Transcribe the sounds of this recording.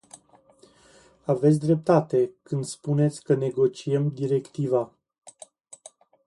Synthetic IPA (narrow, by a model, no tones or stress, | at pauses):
ave̞t̪s̬ʲd̪ɾe̞p̚t̪at̪e̞kɨnd̪spune̞t̪sʲkəne̞ɡo̞t͡ʃiemd̪iɾe̞kt̪iva